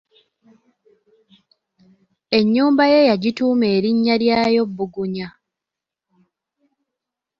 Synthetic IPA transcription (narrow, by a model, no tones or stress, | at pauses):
e̞ɲːuːmbaje̞jaɟituːmeːɾiɲːaɾjaːjo̞bːuɡuɲa